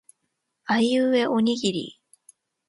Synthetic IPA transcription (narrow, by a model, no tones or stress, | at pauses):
aiɯe̞ʔo̞ɲ̟iɡʲiɾʲḭ